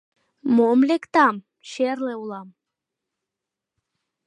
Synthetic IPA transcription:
momlekt̪ɑm | ʃerleulɑm

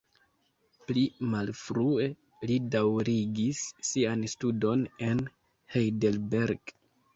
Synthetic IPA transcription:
plimalfɾue̞ | lidawɾiɡisːianstudo̞ne̞n | hejdelbeɾɡ̥

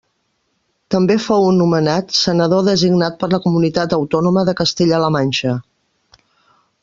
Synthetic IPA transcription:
t̪əmbefowunːumənat̪sənəðoðəziɡnat̪̚pəɾləkumunit̪at̪əwt̪ɔnuməðəkəst̪eʎələmanʲʃə

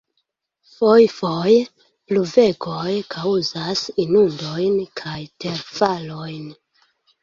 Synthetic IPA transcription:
fojfoj | pluve̞ɡojkʰawzasinundo̞jnkʰajte̞ɾfalo̞jn

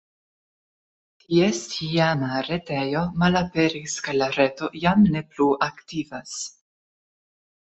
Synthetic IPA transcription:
tʰiestʰiamaɾe̞tejo̞malapeɾiskalaɾe̞to̞jamne̞pluʔaktivas

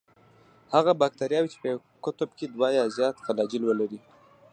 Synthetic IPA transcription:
haɣabɑk̚t̪aɾjɑwit͡ʃe̥pəj | kʊt̪ʊbked̪wɑjɑzjɑt̪falɑd͡ʒilwəlaɾi

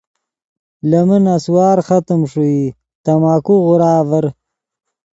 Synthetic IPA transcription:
lɐmənaswaːɾxɐt̪əmʂui | t̪ɐmaːkuɣʊɾaːvəɾ

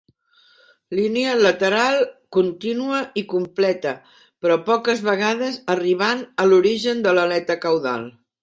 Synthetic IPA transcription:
lineələt̪əɾalˠkunt̪inuəikumplɛt̪ə | pɾɔpɔkəzβəɣaðəzəriβ̞anəluɾiʒənd̪ələlɛt̪əkəwða̰lˠ

